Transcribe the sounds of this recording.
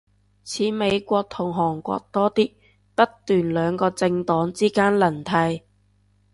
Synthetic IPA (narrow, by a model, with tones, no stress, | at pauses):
t͡sʰiː˨˧me˨˧jkʷɔː˧k̚t̪ʰʊ˨˩ŋɦɔː˨˩ŋkʷɔ̰ː˧k̚t̪ɔː˥t̪i˥k̚ | pɐ˥tt̪yː˨nlœː˨˧ŋkɔː˧t͡sɪ˧ŋt̪ɔː˨˥ŋt͡siː˥kaː˥nlɐ˨˩nt̪ʰɐ˧j